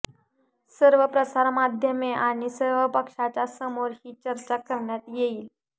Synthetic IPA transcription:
səɾʋəpɾəsaɾmad̪ʱjəmeʔaɽ̃isəɾʋəpəkʂat͡ɕasəmoɾhiːt͡ɕəɾt͡ɕakəɾɳjat̪jeiːl

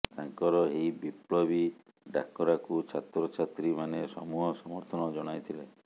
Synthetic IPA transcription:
t̪aŋkɔɾɔeibiplɔbi | ɖa̰kɔɾakut͡ʃʰat̪ɾɔt͡ʃʰat̪ɾimanesɔmuɦɔsɔmɔɾt̪ʰɔnɔd͡ʒɔɽ̃ajt̪ʰile

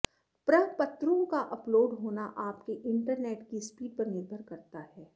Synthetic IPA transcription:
pɾɐɦpɐt̪ɾõkaʔɐploːɖɦoːnaʔaːpkeʔɪ̃ɳʈəɾnɛːʈkispiːɖ̚pɐɾnɪɾbʱəɾkɐɾt̪aɦɛː

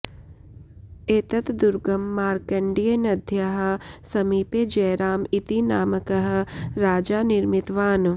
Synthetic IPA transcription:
eːt̪ɐt̪d̪uɾɡɐmːaːɾkɐɳɖijenɐd̪ʱjɐɦɐ̆sɐmiːpeːd͡ʒɐjɾaːmit̪inaːməkɐɦ̆ɾaːd͡ʒaːnɪɾmɪt̪ʋaːn

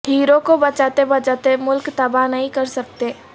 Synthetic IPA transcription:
hiːɾõkobɐt͡ʃaːt̪ebɐt͡ʃaːt̪emʊlkt̪ɐbanɐɦĩkɐɾsɐk̚t̪e

